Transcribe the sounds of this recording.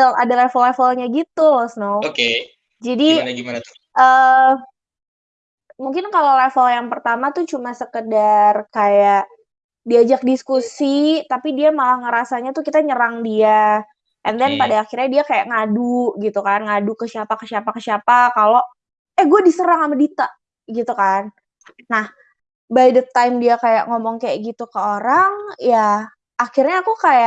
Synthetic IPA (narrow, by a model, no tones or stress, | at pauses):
la̰dalɛfəlːɛfəlɲaɡit̪ulɔsnooke | d͡ʒadiɡiman | ə | muŋkɪnkalolɛfəljaŋpərt̪amat̪ut͡ʃumasəkədarkajaʔ | diad͡ʒak̚diskusit̪apidiamalahŋəɾasaɲat̪ukit̪aɲəɾaŋdia | ʔɛnd̪ɛnpadaːxirɲadiakajaʔŋaduɡit̪ukanŋadukəsiapakəsiapakəsiapakalo | ɛhɡuadisəɾaŋamadit̪a | ɡit̪ukanː | ah | bajdət̪ajmdiakaja̰ʔŋɔmɔŋkajaʔɡit̪ukəoɾaŋjaː | xirɲaːkukajaʔ